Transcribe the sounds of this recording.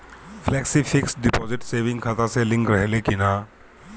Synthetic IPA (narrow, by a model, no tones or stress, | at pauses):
pʰlɛːksipʰɪksɖɪpɔːzɪʈseːʋɪ̃ŋɡkʰat̪aselɪ̃ŋkɾəɦelekɪnaː